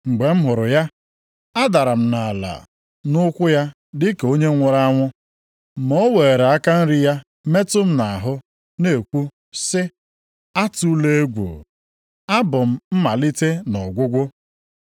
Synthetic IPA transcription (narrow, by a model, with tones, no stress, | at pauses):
ŋ͡m̩˨ɡ͡be˨m̩˦ɦʊ˨ɾʊ˨ja˦ | a˦da˨ɾa˨m̩˦na˨la̰˨ | nʊ˦kʷʊ˦ja˦ | dɪ˦ke˨o˦ɲe˦ŋʷʊ˨ɾa˦ŋʷʊ˦˨ | mo˦we˨e˨ɾa˦ka˦n̩˦ɾɪ˦ja˦ | me˦tʊ˦m̩˦na˨ɦʊ˦ | ne˨e˨kʷu˦ | sɪ˦ | a˦tu˦le˦e˦ɡʷṵ˨ | a˦bʊ˨m̩˦m̩˦ma˨li˦te˦nɔ˨ɡʷʊ˦ɡʷʊ˦